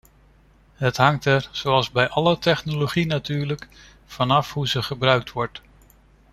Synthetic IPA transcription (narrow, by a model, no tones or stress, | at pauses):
ɦətɦɑŋtɛɹz̥owɑlˠzbɛjʔɑlətɛχnoloχinatyːɹlək | fɑnɑfɦuzəχəbrœɥk̚tʋɔɹt